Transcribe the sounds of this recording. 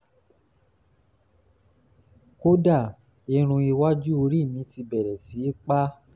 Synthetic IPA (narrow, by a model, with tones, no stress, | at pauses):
ko˦da˦˨ | e˧ɾ̃ũ˧i˧wa˦d͡ʒu˦o˧ɾi˦˨mĩ˨˦ti˧bɛ˨ɾɛ˨si˨˦k͡pa˦